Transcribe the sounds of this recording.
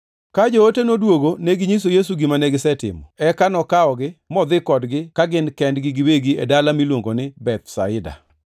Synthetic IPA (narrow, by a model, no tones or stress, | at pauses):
kad͡ʒootenodwoɡoneɡɪɲis̬ojes̬uɡimanɛɡɪsɛtɪ̰mɔɛkanɔkaɔɡɪmɔd̪ɪkɔdɡɪkaɡɪnkɛndɡɪɡɪweɡiḛdalamilwoŋɡonɪbɛt̪̚sa̰ɪda̰